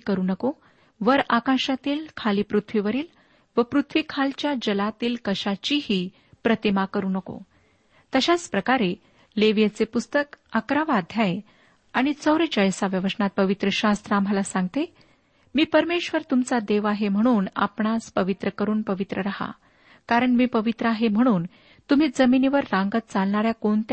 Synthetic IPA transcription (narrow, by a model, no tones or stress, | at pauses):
kəɾuːnəko | ʋəɾakãɕat̪iːlkʰaliːpɾut̪ʰʋiʋəɾiːl | ʋəpɾut̪ʰʋikʰalt͡ɕjad͡ʑəlat̪iːlkəɕat͡ɕiːɦiː | pɾət̪imakəɾuːnəko̰ | t̪əɕaspɾəkaɾe | leʋjət͡sepust̪əkakɾaʋad̪ʱjae | aɽ̃it͡səwɾet͡ɕəjsaʋjəʋəsəɳat̪̚pəʋit̪ɾəɕast̪ɾaːm̤alasãŋɡ̚t̪e | miːpəɾmeɕʋəɾt̪umt͡sad̪eʋaɦem̤əɽ̃uːna̰pɳaspəʋit̪ɾəkəɾuːnpəʋit̪ɾəɾaɦa̰ | kaɾəɳmiːpəʋit̪ɾəaɦem̤əɽ̃uːn | t̪um̤iːd͡zəminiʋəɾːãŋɡət̪̚t͡salɳaɾjakoɳt̪